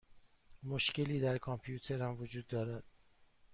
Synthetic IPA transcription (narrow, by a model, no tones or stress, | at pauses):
moʃce̞liːd̪æɾkʰɒmpʰjuːt̪ʰe̞ɾhæmvod͡ʒuːd̪ːɒːɾæd̪̥